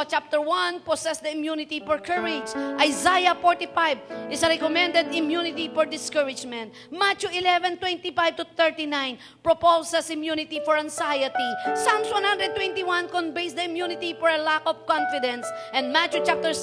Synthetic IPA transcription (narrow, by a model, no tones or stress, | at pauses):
t͡ʃap̚t̪ɛɹwãnpɔsɛsd̪ɐɪmjunɪt̪ifɔɹkʰəɹɪd͡ʒʔajzajɐfɔɹt̪ifajvʔɪsɐɾɛkɔmɛ̃nd̪ɛd̪ɪmjunɪt̪ifɔɹd̪ɪskəɹɪd͡ʒmɛ̃nt̪̚ | mat͡ʃuɪlɛvɛ̃nt̪wɛ̃nt̪ifajv̚t̪ʊθɛɹt̪inãjn | pɹɔpowsɛsɪmjunɪt̪ifɔɹãŋsajɐt̪isãmswãnhãnd̪ɾɛd̚t̪wɛ̃nt̪iwãnkɔ̃nbejsd̪ɐɪmjunɪt̪ifɔɹɐlakɔvkɔ̃nfɪd̪ɛ̃nsʔɛ̃nd̪mat͡ʃut͡ʃap̚t̪ɛɹs